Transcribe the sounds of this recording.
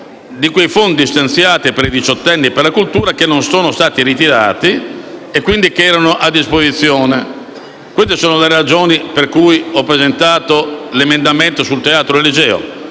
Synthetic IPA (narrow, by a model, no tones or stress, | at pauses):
d̪ikwejfond̪ist̪ant̪sjaːt̪ipeɾid̪it͡ʃɔt̪ːɛnːiperlakult̪uːɾak̟enːonsoːnost̪aːt̪iɾit̪iɾaːt̪iekːwind̪ikeɛːɾanoʔad̪ːispozit̪sːjɔːne | kwest̪esoːnolerad͡ʒoːniperkujɔpːɾezent̪aːt̪olemend̪ament̪osult̪eaːt̪ɾoelid͡ʒɛːo̰